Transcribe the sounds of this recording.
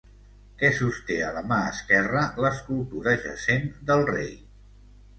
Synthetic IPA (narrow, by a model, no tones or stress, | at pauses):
kɛsust̪eələmaəskɛrələskulˠt̪uɾəʒə̰send̪əlˠrej